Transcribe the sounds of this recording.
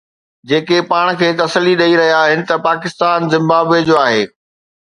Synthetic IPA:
d͡ʑeːkepaːɽ̃kʰeːt̪ɐsəliɗɐiɾɐɦijaɦɪnɪ̆t̪ɐpaːkɪst̪aːnzɪ̃mbaːbed͡ʑoːaːɦeː

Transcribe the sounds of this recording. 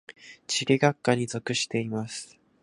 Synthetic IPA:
t͡ɕiɾʲiɡakːaɲ̟izo̞kɯ̟ɕi̥t̪e̞imasɨ̥

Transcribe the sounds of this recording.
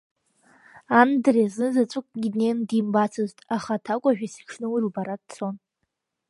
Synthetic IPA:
andreznɨzat͡ʃʷʼʊkʼɡʲinendimbat͡sʰɨztʼaχatʰakʷʼaʒᶣasi̥kʲʂʰnɨwirubaɾad̚t͡sʰon

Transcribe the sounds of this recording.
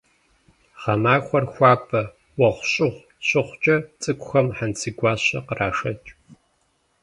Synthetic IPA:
χɐmaːxʷɔrxʷɑːkʰʼɐ | wɐχʷʊɕʼɪʁʷ | ɕʼɪχʷt͡ʃʼɐt͡sʼɨkʷʼʊxɐmħansʰɨɡʷɑːɕɐqərʔaːʂɐt͡ʃʼ

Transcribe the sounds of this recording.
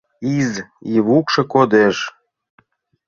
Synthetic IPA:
iziβukʃɤ̆kod̪eʃ

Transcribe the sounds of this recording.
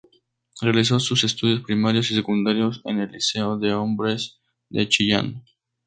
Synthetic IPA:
realis̬o̞suse̞st̪uð̞jo̞spɾimaɾjo̞sis̬e̞kund̪aɾjo̞sḛne̞lːise̞oðe̞o̞mbɾe̞z | d̪et͡ʃiʝa̰n

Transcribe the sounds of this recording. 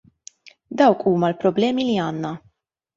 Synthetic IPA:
d̪ɐwkʰuːmɐlpɾɔblɛːmiliɐːnːɐ

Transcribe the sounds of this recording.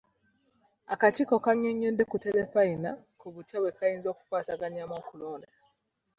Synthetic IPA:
akat͡ʃikokaɲuɲːundekutelefaina̰kuβutʰeβwekajiːnzo̞ːku̥kwaːsaɡaɲamoːkuloːna

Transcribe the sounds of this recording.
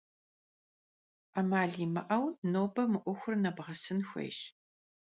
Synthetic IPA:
amaːɮiːmɐ̰ʔɐwnoːbɐmɨʔʷʊxʷʊrnɐbʁɐsɨnxʷɐ̰jʃ

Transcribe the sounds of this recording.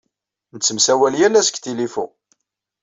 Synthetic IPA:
nət͡sːəmsæwæljælːæsə̥kt̪ilifu

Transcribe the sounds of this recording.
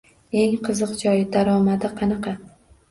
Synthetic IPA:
e̞ŋqʰɨzɨqd͡ʒɒjɪd̪aɾɒmad̪ɪqʰɑnɑqɑ

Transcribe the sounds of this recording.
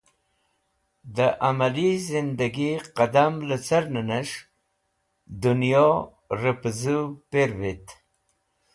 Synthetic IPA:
d̪əʔamalizɪnd̪aɡiqad̪amlat͡saɾnanaʂ | d̪ʊnijo | ɾəpzupeɾvit̪

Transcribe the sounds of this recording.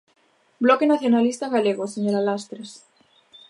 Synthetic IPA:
blokenaθjonalist̪aɣaleɣoseɲoɾalast̪ɾes

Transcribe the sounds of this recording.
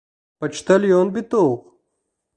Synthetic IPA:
pɐt͡ʃt̪ɐljoːnbit̪oːq

